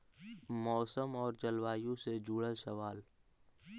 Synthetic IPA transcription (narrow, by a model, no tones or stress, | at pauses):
mɔːsəmɔːɾt͡ʃɐlʋaːjũsed͡ʒuːɽəlsɐʋaːl